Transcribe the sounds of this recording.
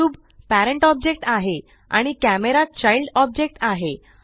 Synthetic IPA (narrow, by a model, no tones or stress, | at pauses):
uːb | pæɾəɳʈɔb̚d͡ʑek̚ʈaɦe | a̰ɽ̃ikæmeɾat͡ɕailɖɔb̚d͡ʑek̚ʈaɦe